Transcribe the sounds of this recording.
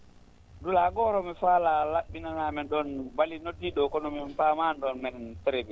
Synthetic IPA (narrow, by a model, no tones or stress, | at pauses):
ndulaɡɔɾɔmifaːlalaɓːinanamɛnɗɔnbalinodːiɗɔkɔnɔmimpaːmanɗɔnmɛntɛɾɛbi